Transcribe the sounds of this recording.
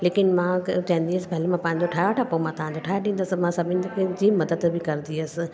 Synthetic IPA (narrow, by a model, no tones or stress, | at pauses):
leːkɪnmãt͡ɕãɦĩnd̪iəsɪbɐːlimãpãːɦɪ̃ɲd͡ʑoʈʰaːjʋaʈʰapomãt̪ãːɲd͡ʑoʈʰaːjɗĩːnd̪əsɪmãsɐbʱɪnɪked͡ʑimɐd̪əd̪bɪkɐɾnd̪iəsɪ̆